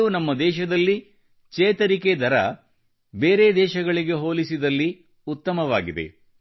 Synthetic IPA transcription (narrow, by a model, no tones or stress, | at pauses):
unɐmːɐd̪ɛːʃɐd̪ɐlːi | t͡ʃeːt̪ɐɾiked̪ʱɐɾɐ̰ | be̞ːɾe̞ːd̪ɛːʃɐɡɐɭiɡe̞ɦo̞ːlisid̪ɐlːi | ut̪ːɐmɐʋaːɡid̪e̞̰